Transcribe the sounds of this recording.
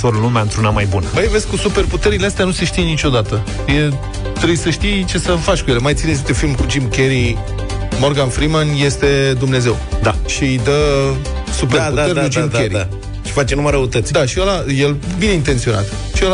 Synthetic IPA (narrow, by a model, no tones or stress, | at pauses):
foɾlumeaɨnt̪ɾunamajbunəbəjeve̞sʲkusupe̞rput̪e̞ɾileast̪eanuse̞ʃt̪ijenit͡ʃʲo̞d̪at̪ə | je | t̪ɾebujsəʃt̪ijt͡ʃe̞səfat͡ʃʲkuje̞lemajt̪sinezid̪efilmkud͡ʒimkʲe̞ɾi | mo̞rɡanfɾimanje̞st̪e̞d̪umne̞ze̞wd̪aʃiɨjd̪ə | supeput̪t̪e̞ɾʲkud͡ʒimd̪ʲeɾi | t͡ʃefat͡ʃenuməɾəut̪ət̪sʲd̪aʃielajelbine̞int̪e̞nt̪sio̞na̰t̪ | ʃiel